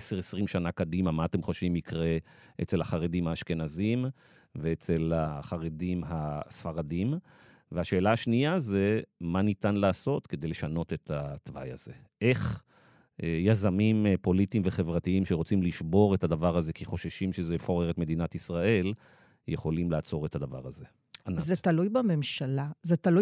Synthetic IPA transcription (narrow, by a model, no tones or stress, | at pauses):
eseʁesʁimʃanakadimamaːt̪e̞mχo̞ʃvimikʁe̞ | ʔet͡se̞lhaχaʁedimhaːʃke̞nazim | veet͡se̞laχaʁedimɦasfaʁadim | veaʃeːlaaʃniaze̞manit̪anlaːso̞tked̪ejleʃano̞t̪e̞t̪ʰat̪va̰ja̰ze̞ | ʔe̞χ | jazamimpo̞litimveχe̞vʁatiimʃeʁo̞t͡simliʃbo̞ʁe̞t̪had̪avaʁaze̞kiχo̞ʃeʃimʃezefoʁeʁet̪med̪inat̪isʁae̞l | jeχo̞limlaːt͡so̞ʁe̞t̪had̪ava̰ʁaze̞ | anazet̪alujbamemʃalazet̪aluj